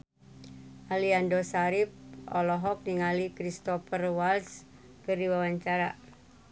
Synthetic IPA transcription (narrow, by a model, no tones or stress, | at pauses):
ʔaliandɔsaɾip̚ɔ̰lɔɦɔk̚niŋalikɾist̪ɔfərwals | kɨrdiwawaɲt͡ʃaɾa̰